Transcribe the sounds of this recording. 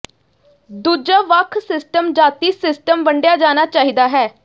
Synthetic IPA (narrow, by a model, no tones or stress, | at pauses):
d̪uːd͡ʒaːʋəkʰsɪsʈəmd͡ʒaːt̪iːsɪsʈəmbəɳɖjaːd͡ʒaːnaːt͡ʃaːɦiːd̪aːɦɛː